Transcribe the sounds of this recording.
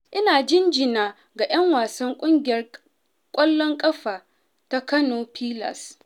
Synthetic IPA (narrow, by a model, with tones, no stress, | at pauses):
ʔɪ˦naː˨d͡ʒɪ˦nd͡ʒɪ˨naː˨ | ɡa˨jɐ˦ŋwaː˨sɐ˦ŋkʷʼʊ˦ŋɡʲɪ˨jɐ˦r | kʷʼɔ˦lːɔ˦ŋkʼɐ˦ɸaː˨ | ta˦kɐ˦noː˨pʰiː˦lɐ̰˨s